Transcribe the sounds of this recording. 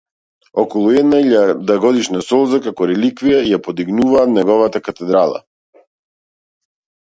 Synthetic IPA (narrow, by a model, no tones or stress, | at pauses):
ɔkɔlˠuɛd̪naiʎad̪aɡɔd̪iʃnasɔlˠzakakɔɾɛlikvijaijapɔd̪iɡnuvaːt̪nɛɡɔvat̪akat̪ɛd̪ɾalˠa̰